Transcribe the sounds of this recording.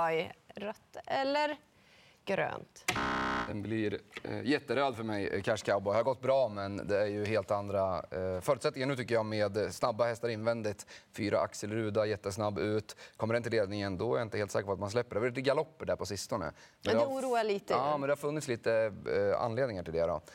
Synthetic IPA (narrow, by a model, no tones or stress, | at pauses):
jɾœt̪ːɛlːəɾ | ɡ̥ɾø̰ːnt̪d̪̥ɛ̰nblɪɾjɛt̪ːəɾœːd̪fœɾmɛjkʰæʂkʰaʊbɔjhaɾɡɔt̪̚ːbɾɑːmɛnd̪ɛæɾjɵheːlt̪and̪ɾafœːɾʉt̪sɛt̪nɪŋanɳʉ̟ːt̪ʏkːəjɑːmeːd̪snabːahɛst̪aɾɪnvɛnd̪ɪt̪fyːɾʔa̰ʔa̰ksɛlɾʉːd̪ajɛt̪ːəsnabːʉ̟ːt̪kʰɔmːəɖɛnt̪ɪleːd̪nɪŋənd̪ɔ̰ɾjaɪnt̪əheːlt̪sɛːkəɾpɔat̪mans̬lɛpːəɖɛhvɪɪt̪ɡalɔpːəɖæɾpʰɔsɪst̪ɔnə̰ɛndɛuːɾuːaliːt̪əɑːmɛnd̪ɛhaɾfɵnːɪt̪sliːt̪əa̰nːleːd̪nɪŋaʈɪld̪ɛɾɔ̰